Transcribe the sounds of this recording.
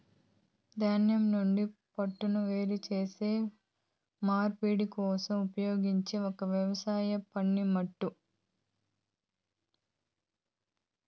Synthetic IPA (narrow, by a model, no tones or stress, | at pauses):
d̪aːnjɐmnuɳɖipɐʈːunuʋe̞ːɾit͡ʃe̞ːse̞ː | maːɾpiːɽikɔːsɐmupɐjo̞ːɡiɲt͡ʃeɔkɐʋjɐʋɐsaːjɐpɐɳːimɐʈːu